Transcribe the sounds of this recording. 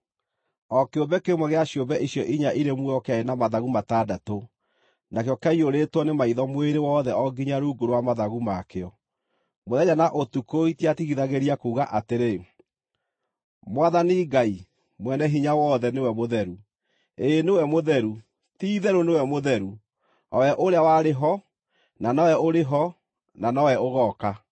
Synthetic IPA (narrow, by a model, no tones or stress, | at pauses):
ɔkeobɛkemɔɣeaɕjobɛʔiɕjɔʔiɲaʔiɾemwɔkɛaenamaðaɣumataːdato | nakejɔkaioɾetwɔnemaiðɔmweɾewɔːðɛɔɡiɲaɾuːɡoɾowamaðaɣumakeɔ | moðɛɲanaʔotukoitjatiɣiðaɣeɾiakuːɣaʔateɾe | mwaðaniɡai | mwɛnɛɦiɲawɔðɛnewɛmoðɛɾu | enewɛmoðɛɾu | tiðɛɾonewɛmoðɛɾu | ɔwɛʔoɾeawaɾeɦɔ | nanawɛoɾeɦɔ | nanɔwɛoɣɔka